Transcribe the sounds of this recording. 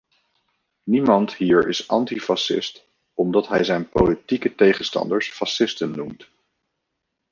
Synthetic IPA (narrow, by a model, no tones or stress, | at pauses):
nimɑntɦiːɹɪsɑ̰ntifɑsɪ̰st | ɔmdɑtɦɛjzɛjnpolitikətejχənstɑ̰ndəɹsfɑsɪstənːumt